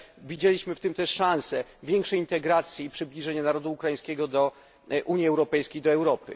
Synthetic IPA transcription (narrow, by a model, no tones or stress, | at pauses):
vʲid͡ʑelʲiɕmɘft̪ɘmt̪ɛʂːãw̃sɛvʲjɛŋkʂɛjint̪ɛɡɾat̪sʲjiːpʂɘblʲiʐɛɲanaɾɔd̪uːkɾajĩskʲɛɡɔd̪ɔ | ʔuɲjiɛwɾɔpɛjskʲejd̪ɔɛwɾɔpɘ̰